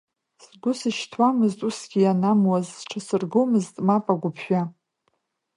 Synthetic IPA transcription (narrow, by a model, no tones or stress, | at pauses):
sɡʷʊsɨʃtʰwamɨztʼusɡʲijanamwazʈ͡ʂʰasɨrɡomɨztʼmapʼaɡʷʊpʰʃᶣʷa